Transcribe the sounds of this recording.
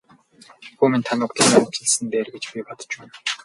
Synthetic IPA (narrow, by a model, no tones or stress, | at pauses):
xuːmĭnt̪ʰanʊkt̪ə̆ɮniɵt͡ɕɘ̆ɮsɘ̆nt̪eːrɡet͡ɕpʲipɔt̪ə̥̆t͡ɕuːn